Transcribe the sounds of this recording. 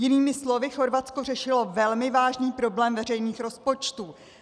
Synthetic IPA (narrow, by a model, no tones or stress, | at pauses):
jɪniːmɪslo̞vɪxo̞ɾvatt͡sko̞r̝ɛʃɪlo̞vɛlmɪvaːʒniːpɾo̞blɛːmvɛrɛjniːxɾo̞spo̞t͡ʃt̪uː